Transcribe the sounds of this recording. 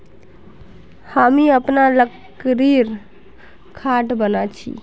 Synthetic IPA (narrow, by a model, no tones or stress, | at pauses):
hamiəpnalək | ɾiɾ | kʰaʈbənat͡ʃʰḭ